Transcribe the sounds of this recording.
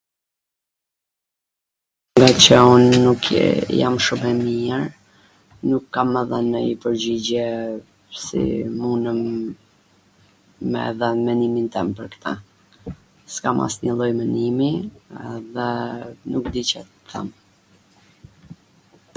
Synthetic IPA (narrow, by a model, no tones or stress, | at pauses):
ŋɡat͡ɕəunːukʰjamʃumɛmiəɾ | nukːamːɛðənməipəɾd͡ʑid͡ʑɛ | sḭmunəm | ɛ̰ðənmɛnimint̪ɛmpəɾkə̥t̪ʰa | skamʔa̰sɲəlˠɔjmɛnimiɛðɛnukd̪it͡ɕɛ | t̪ʰɛ̰m